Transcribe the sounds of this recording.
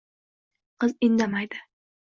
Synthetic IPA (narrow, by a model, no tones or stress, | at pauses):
qʰɨzɪnd̪amajd̪ɪ